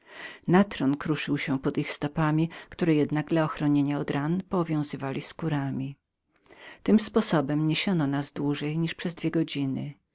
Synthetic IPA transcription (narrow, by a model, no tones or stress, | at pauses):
nat̪ɾɔnkɾuʂɘwɕɛpɔd̪ixst̪ɔpamʲikt̪uɾɛjɛd̪naɡd̪laɔxɾɔɲeɲaɔd̪ɾanpɔvʲjɔ̃w̃zɘvalʲiskuɾamʲi | t̪ɘmspɔsɔbɛmɲeɕɔnɔnazd̪wuʐɛjɲiʂpʂɛzd̪vʲjɛɡɔd͡ʑinɘ̰